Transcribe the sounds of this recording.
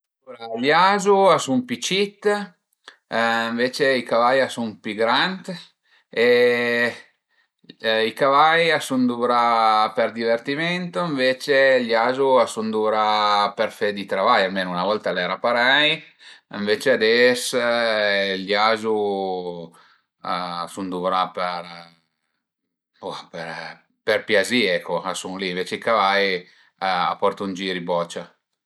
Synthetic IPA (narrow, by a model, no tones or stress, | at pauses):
uɾaljazuasumpit͡ʃit̪ː | iɱveːt͡ʃeikavajasumpiɡɾant̪ | e | ikavajasund̪uːɾaperd̪ivert̪imɛnt̪oiɱveːt͡ʃeljazuasund̪uɾapɛrfed̪it̪ɾavajalmeːnounavɔlt̪alɛɾapaɾaj | iɱveːt͡ʃead̪ɛs | laːzu | aasund̪uvɾapeɾ | apɛɾ | pɛrpjaziɛkʰːoasuŋliɱveːt͡ʃeikavaj | a̰pːɔrt̪und͡ʒiːɾibɔt͡ʃa